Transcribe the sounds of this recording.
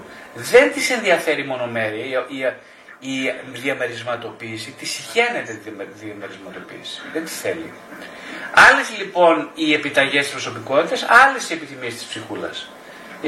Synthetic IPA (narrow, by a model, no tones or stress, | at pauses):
ðe̞nt̪ise̞nðiɐfe̞ɾimo̞no̞me̞ɾiɐi | iðiɐme̞ɾizmɐt̪o̞piːsit̪isiçe̞ne̞t̪et̪ðiɐmeɾizmɐt̪o̞pḭːsi̥ðent̪i̥sθe̞̰lḭ | ɐle̞zlipo̞nie̞pit̪ɐʝe̞st̪ispɾo̞so̞piko̞t̪it̪esɐle̞sie̞piθimiest̪i̥spsixulɐ̰s